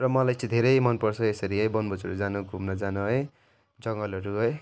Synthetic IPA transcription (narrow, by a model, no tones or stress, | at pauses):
rʌmʌlajt͡sʰĩd̪ʱeɾʌjmʌnpʌrt͡sʰʌesʌɾiʌjbʌnbʌt͡sʌɾud͡zanuɡʱumnʌd͡zanuɦʌe | d͡zʌŋɡʌlʌɾuɦʌe